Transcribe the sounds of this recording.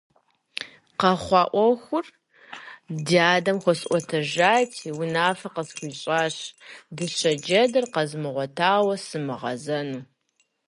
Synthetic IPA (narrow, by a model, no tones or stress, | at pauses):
qɐχʷɑːʔʷɔxʷʊr | diaːdɐmxʷɔsʔʷɔtʰɐʒaːtʰiwʊnaːfɐqəsxʷiɕʼaːɕdɨɕɐd͡ʒɐdɐrqɐzmɨʁʷɔtʰaːwɐsɨmɨʁɐ̰zɐnuː